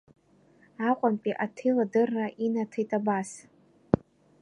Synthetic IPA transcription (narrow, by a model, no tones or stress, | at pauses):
aqʷʼampʼiʔatʰijladɨrːaʔinatʰejtʼabas